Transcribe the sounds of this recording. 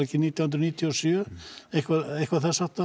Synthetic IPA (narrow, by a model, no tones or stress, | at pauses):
ɛhcɪniːt̪jawhʏnɾniːt̪ʰiɔsjœɛhkvaðɛjhkvaðθasat̪a